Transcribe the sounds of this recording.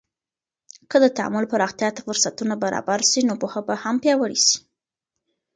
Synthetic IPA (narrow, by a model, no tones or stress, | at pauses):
kəd̪ət̪aa̰mʊlpaɾɑxt̪jɑt̪ḁfʊɾsat̪unabaɾɑ̰baɾʃinopoxəbahampjɑwəɽisi̥